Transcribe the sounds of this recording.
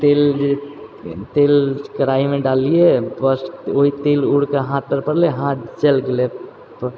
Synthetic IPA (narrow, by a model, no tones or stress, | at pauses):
t̪eːld͡ʒe | t̪eːlkəɾaːimẽɖaːliebəsoɦit̪eːlʊɽkaɦãːt̪̚pəɾpəɽleɦãt̪t͡ʃelɡle | p